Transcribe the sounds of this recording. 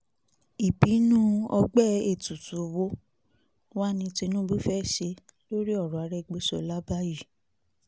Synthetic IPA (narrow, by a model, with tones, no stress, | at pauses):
i˨bi˨˦nũ˦ɔ˧ɡ͡bɛ˦˨e˨tu˨tu˨wo˦ | wa˦˨nĩ˧ti˧nũ˦bu˦fɛ˦˨ʃe˧ | lo˦ɾi˦ɔ˦˨ɾɔ˨a˨˧ɾɛ˦˨ɡ͡bo˨˦sɔ̰˧˨la˦ba˦ji˦˨